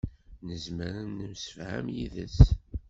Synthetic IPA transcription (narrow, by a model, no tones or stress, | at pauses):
nəzməɾənːəmsə̥fhæ̰mjiðə̰s